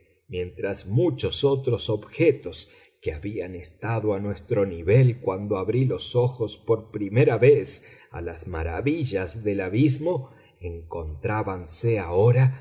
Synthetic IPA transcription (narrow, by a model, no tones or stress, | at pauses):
mje̞nt̪ɾazmut͡ʃo̞sot̪ɾo̞so̞bxet̪o̞s | keaβianest̪aðo̞anwe̞st̪ɾo̞niβelkwand̪oaβɾilo̞so̞xo̞spo̞ɾpɾime̞ɾaβes | a̰lazmaɾa̰βiʒazðe̞laβizmo̞ | eŋko̞nt̪ɾaβanseao̞ɾa